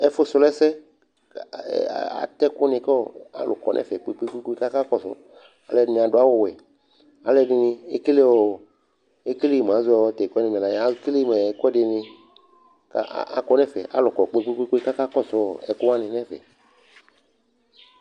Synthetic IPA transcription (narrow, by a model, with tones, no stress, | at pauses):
ɛ˦fo˦sʊ˨lɛ˦sɛ˦˨ | a̰˨t̪ɛ˦kʊ˦nẽ˨kɔ˦˨a̰˦lʊ̰˨kɔ̰˨nʔɛ̰̃˦fɛ˨k͡pe˦k͡pe˦k͡pe˦k͡pe˦ka˦ka˦kɔ˦sɔ̰˦ | a̰˨lɛ˨nĩ˨a˨ɖʊ˦a˦wo˦wɛ˨ | a̰˨le˦di˧nĩ˦e˦ke˦le˦wo˨ | e˦ke˦le˦˨m˨ã˨˦zu˦ɔ˨˦t̪ɛ˨kɛ˦nẽ˨mẽ˨a˨ja˦kle˦˨me˨kɛ˦de˨nɪ˧ | ka̰˦a̰˨kɔ˦nɛ̃˦fɛ̰˨ʔa̰˨lʊ˨kɔ˨k͡pe˦k͡pe˦k͡pe˦k͡pe˦ka˦ka˦kɔ˦sɔ˦˨ɛ˨kʊ˦wa˦nĩ˨nɛ̃˦vɛ̰˨